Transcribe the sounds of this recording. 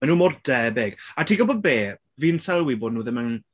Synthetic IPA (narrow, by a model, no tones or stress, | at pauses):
ɛnuːmɔrdɛbeːɡ̥atʰiːɡɔbɔðbeː | viːnsɛlˠwiboːdnuːðəmaŋn